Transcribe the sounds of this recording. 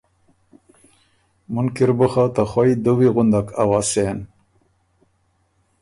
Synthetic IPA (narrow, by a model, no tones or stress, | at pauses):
munkiɾbəχat̪aχajd̪uwiɣʊnd̪akʰa̰wasen